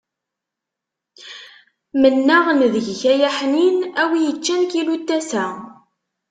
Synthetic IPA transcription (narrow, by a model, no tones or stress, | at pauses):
mənːaʁənðəʝçæjæħninæwijət͡ʃːænkilut̪ːæsæ